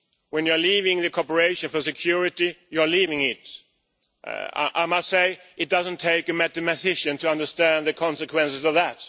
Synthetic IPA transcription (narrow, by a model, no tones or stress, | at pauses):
wɨ̃njə˞livɪ̃ŋðɨkʰɔɹpə˞eɪʃɨ̃nfə˞sɨkʰj̥ʊɹɪɾijə˞livɪ̃ŋɪt | ʔa̰ɪmʌstseɪɨt̚d̥ʌzə̃n̩tʰeɪkɨmɛθɨmɨθɪʃɨ̃ntʰɨʌ̃ndə˞stæ̃nðɨkʰɑ̃nsɨkʰwɛ̃ns̬ɨzʌvðæt